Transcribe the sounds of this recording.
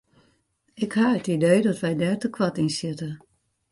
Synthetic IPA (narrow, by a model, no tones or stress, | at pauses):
ɪkhaətidejdɔtʋɛjdɛrtəkʰʋatinsjɪtə